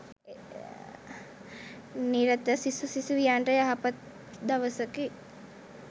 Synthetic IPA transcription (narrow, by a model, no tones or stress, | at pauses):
niɾət̪əsisusisuʋijaːɳʈəjaɦapat̪̚ | d̪ɐʋəsəki